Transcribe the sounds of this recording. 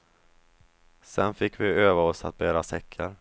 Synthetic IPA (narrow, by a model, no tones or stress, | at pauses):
sɛnfɪkːvɪøːvaɔsa̰t̪̚bæːɾasɛkʰːəɾ